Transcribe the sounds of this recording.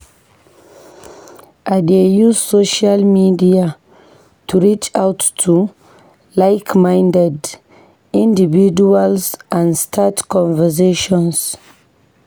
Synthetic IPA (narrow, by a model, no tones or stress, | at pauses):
ʔadejuzsoʃalmidia | tʰuɹit͡ʃawtːʰu | laɪkmãjndɛd | ĩndividualsʔãndstʰatkʰɔ̃nvəs̬eʃɔ̃ns